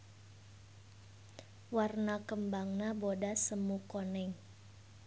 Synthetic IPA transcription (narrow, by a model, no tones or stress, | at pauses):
warnakəmbaŋnabodasəmukonɛŋ